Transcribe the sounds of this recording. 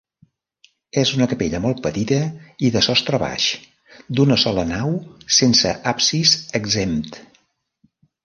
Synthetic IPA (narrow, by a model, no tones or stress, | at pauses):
ɛzunəkəpeʎəmɔlˠt̪̚pət̪it̪əiðəsɔst̪ɾəβa̰ʃ | d̪unəsɔlənawsensəʔapsizəɡzemt̪